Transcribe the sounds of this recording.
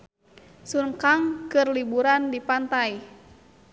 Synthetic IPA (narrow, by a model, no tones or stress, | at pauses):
suŋkaŋkɨrlibuɾandipant̪aj